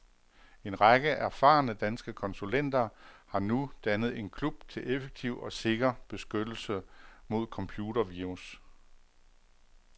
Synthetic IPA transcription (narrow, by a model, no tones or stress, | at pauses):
e̝nʁɑɡ̥əʔæɐfɑ̰̈ːnəd̥ænsɡ̥əkʰɒ̽nsulen̰d̥ɐhɑ̈nud̥ænəð̞̩ˠe̝nkʰlub̥t͡sʰe̝lefeɡ̥̚t͡sʰiʊ̰ɒ̽se̝ɡ̥ɐb̥e̝sɡ̥ød̥l̩səmo̝ð̞̰ˠkʰɒ̽mpʰjuːdɐʋiʁus